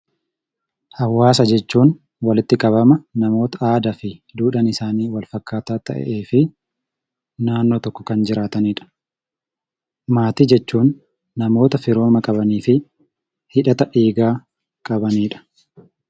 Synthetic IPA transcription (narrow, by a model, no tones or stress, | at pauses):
hɐwːaːs̬ɐd͡ʒɛt͡ʃːuːn | wɐlɪt̪ːɪkʼɐβɐmɐnɐmo̞ːt̪ɐʔaːd̪ɐfɪd̪uːᶑɐnɪsaːniːwɐlfɐkːaːt̪aːt̪ɐ̰ʔɛ̰ʔe̞ːfɪ | naːnːoːt̪ɔkːɔ̥kɐnd͡ʒɪɾaːt̪ɐniːᶑɐ̥ | maːt̪iːd͡ʒɛt͡ʃːuːnː | ɐmo̞ːt̪ɐfɪɾo̞ːmɐkʼɐbɐniːfɪ | hɪᶑɐt̪ɐʔeːɡaː | kʼɐbɐniːᶑɐ̥